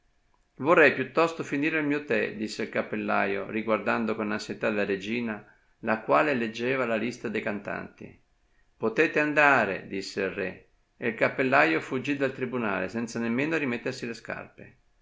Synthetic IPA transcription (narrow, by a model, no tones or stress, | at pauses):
vorːɛjpjut̪ːɔst̪ofiniːɾelmiːot̪ɛd̪isːeilkapːelːa̰jo̰riɡward̪and̪okonansjet̪ad̪elaɾed͡ʒiːna | lakwaːleled͡ʒːɛːvalalist̪ad̪ejkant̪a̰nt̪ḭ | pot̪ɛːt̪eand̪aːɾḛd̪isːeilrɛ̰ | eilkapːelːajofud͡ʒːid̪alt̪ɾibuna̰ːlḛsɛnt̪sanemːeːnorimet̪ːersileska̰rpe